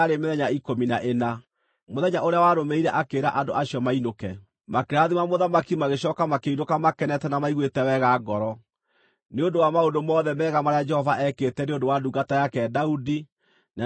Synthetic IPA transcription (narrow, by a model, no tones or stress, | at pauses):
ɾemeðɛɲaikominaʔena | moðɛɲaʔoɾeawaɾomeiɾɛʔakeːɾaʔandoʔaɕiɔmainokɛ | makeɾaðimamoðamakimaɣeɕɔːkamakeinokamakɛnɛtɛnamaiɣwetɛwɛɣaɡɔɾɔ | neondowamaondomɔːðɛmɛːɣamaɾead͡ʒɛhɔvaʔɛketɛneondowaduɡatajakɛːdaudi | na